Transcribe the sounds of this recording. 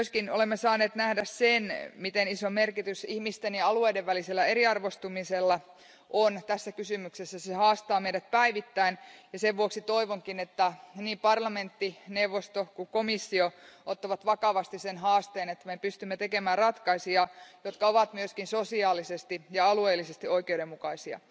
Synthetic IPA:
myøskinolemːesɑːneːt̪næhdæssenmit̪enisomerkit̪ysihmist̪enjɑɑlueːdeʋʋæliselːæeɾiɑrʋost̪umiselːɑ | ʔont̪æsːækysymyksesːæsehɑːst̪ɑːmeidæt̪̚pæiʋit̪ːæinjɑseʋʋuoksit̪oiʋoŋkinet̪ːæniːmpɑrlɑment̪ːineuʋːost̪okukomisːioot̪ːɑʋɑt̪ʋɑkɑʋɑst̪isenɦɑːst̪eːnet̪ːæmepyst̪ymːet̪ekemæːrrɑt̪kɑisiɑjot̪kɑoʋɑt̪myøskinsosiɑːlisest̪ijɑɑlueːlːisest̪ioikeuɾemmukɑisiɑ̰

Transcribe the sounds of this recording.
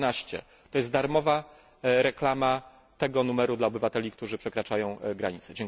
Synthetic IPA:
naɕt͡ɕɛ̰ | t̪ɔjɛst̪d̪aɾmɔva | ɾɛklama | t̪ɛɡɔnumɛɾud̪laɔbɘvat̪ɛlʲikt̪uʐɘpʂɛkɾat͡ʂajɔ̃w̃ɡɾaɲit̪sɛd͡ʑɛŋ

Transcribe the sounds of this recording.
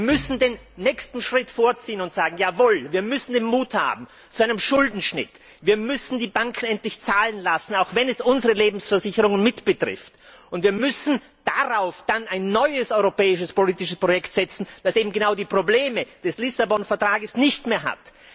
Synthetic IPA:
viːɐmʏsn̩deːnːɛːçstn̩ʃʁ̥ɪtfoːɐt͡siːənʊntz̥aːɡŋ̩jaːvoːlviːɐmʏsn̩deːnmuːtha̰ːb̚m̩ | t͡suʔaɪnəmʃʊldn̩ʃnɪ̰t | viːɐmʏsn̩diːbaŋkʰn̩ɛntlɪçt͡saːlənlasn̩aʊxvɛnɛsʔʊnzəʁəleːbm̩sfɛɐzɪçəʁʊŋənmɪtb̥ətʁ̥ɪ̰ft | ʊntv̥iːɐmʏsn̩ | d̥aʁaʊfd̥anaɪnːɔʏəsɔʏʁopɛːɪʃəspoliːtɪʃəspʁojɛktz̥ɛt͡sn̩d̥asʔeːbm̩ɡənaʊdiːpʁ̥obleːməd̥ɛslɪsabɔnfɛɐtʁ̥aːɡəsnɪçtmeːɐɦa̰t

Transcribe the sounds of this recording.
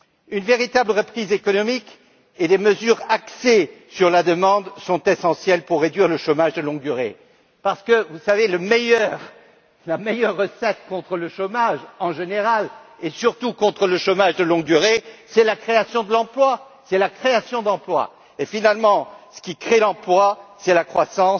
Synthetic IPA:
ynveʁit̪abləʁəpχizekɔnɔmik | ed̪eməzyʁaksesyʁlad̪əmɑ̃d̪sɔ̃t̪esɑ̃sjɛlpuʁːed̪ɥiʁləʃomaʒd̪əlɔ̃ɡ̚d̪yʁḛ | paʁsə̥kəvusaveləmejœʁ | lamejœʁːəsɛt̪kɔ̃t̪χələʃomaʒɑ̃ʒeneʁalesyʁt̪ukɔ̃t̪χələʃomaʒd̪əlɔ̃ɡ̚d̪yʁesɛlakχeasjɔ̃d̪əlɑ̃plwa | sɛlakχeasjɔ̃d̪ɑ̃plwa̰ | efinalmɑ̃sə̥kʲikχelɑ̃plwasɛlakχwasɑ̃s

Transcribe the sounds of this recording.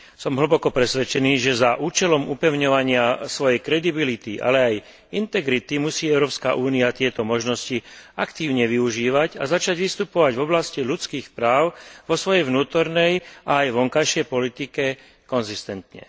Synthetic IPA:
sɔmɦɭ̩bɔkɔpɾɛsʋɛt͡ʃɛniːʒɛzaʔuːt͡ʃɛlɔmupɛʊɲɔʋaɲɪasʋɔjɛjkɾɛd̪ibilit̪iʔa̰lɛaj | int̪ɛɡɾit̪imusiːɛʊɾɔːpska̰ʔuːniat̪ɪɛt̪ɔmɔʒnɔsciakt̪iːʊɲɛʋiuʒiːʋaɟazat͡ʃaɟʋist̪upɔʋaɟvɔblasciʎut͡skiːxpɾaːʊʋɔsʋɔjɛjʋnuːt̪ɔɾnɛjaːjʋɔŋkajʃɪɛjpɔlit̪ikɛ | kɔnzist̪ɛnt̪ɲɛ̰

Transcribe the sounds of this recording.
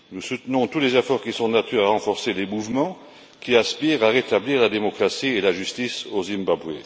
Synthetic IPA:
nusut̪nɔ̃t̪ulezefɔʁkʲisɔ̃nat̪ʰyʁaʁɑ̃fɔʁselemuvmɑ̃ | kʲiaspiʁaʁet̪abliːʁlad̪emɔkχasielaʒyst̪isozimbabwḛ

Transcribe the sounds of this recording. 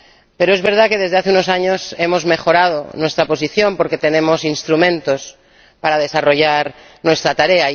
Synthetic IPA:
peɾoe̞zβe̞ɾð̞akeðe̞zðeaθeuno̞saɲose̞mo̞zme̞xo̞ɾað̞o̰nwe̞st̪ɾapo̞s̬iθjo̞mpo̞ɾke̞t̪e̞nẽ̞mosinst̪ɾumẽnt̪o̞s | paɾað̞e̞saro̞ʝaɾ | nwe̞st̪ɾat̪aɾea

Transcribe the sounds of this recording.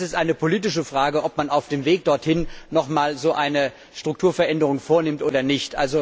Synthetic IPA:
sɪstʔaɪnəpʰoliːtɪʃəfʁ̥aːɡəʔɔpmanaʊfd̥eːmveːk̚d̥ɔɐthɪnnɔχmaːlzoːʔaɪnə | ʃtʁ̥ʊktʰuːɐfɛɐʔɛndəʁ̞ʊŋfoːɐnɪmtʔoːdɐnɪçtʔa̰lzo

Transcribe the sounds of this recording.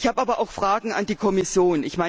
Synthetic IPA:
çhaːbaːbɐʔaʊxfʁ̥aːɡŋ̩a̰ndiːkʰɔmɪsjoːnɪçmaɪ

